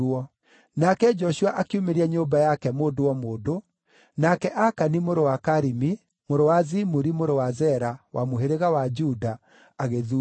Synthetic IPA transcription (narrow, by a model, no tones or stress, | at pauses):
ɔ | nakɛd͡ʒɔʃuaʔakiumeɾiɛɲombajakɛmoːdowɔmoːdo | nakɛʔakanimoɾowakaɾimi | moɾowazimuɾimoɾowazɛɾawʔamoɦeɾeɣawad͡ʒuda | aɣeðu